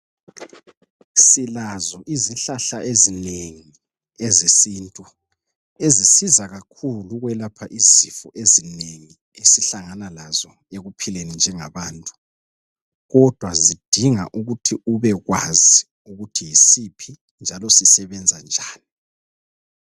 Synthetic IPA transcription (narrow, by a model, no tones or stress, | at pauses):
silazɔʔizinɬaɬaʔezineŋi | ɛzesiːntʼu | ezisizaɣakʰuluɣwɛlapʰaʔizifɔʔezineŋi | esiɬaŋanalazɔ | eɣupʰilenind͡ʒʱɛŋaβaːntʼu̥ | ɣɔd̥ʱwazid̥ʱiŋa̰ʔuɣutʰiuβɛɣwazi | uɣutʰijisipʰi | nd͡ʒʱalɔsisɛβɛnd͡zʱand͡ʒʱaːni